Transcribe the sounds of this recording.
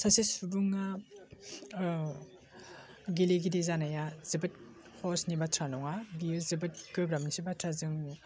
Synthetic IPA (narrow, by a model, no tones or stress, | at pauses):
sʰasisubuŋa | ɡileɡidizanajazɯbɯt̚ | hʰɔsnibatʰɾanɔŋabiɯzɯbɯt̚kɯbɾamnisibatʰɾazɯŋ